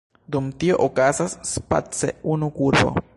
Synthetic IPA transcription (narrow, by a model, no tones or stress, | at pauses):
d̪umtio̞ʔokazasːpa̰t͡seunukuɾbo̰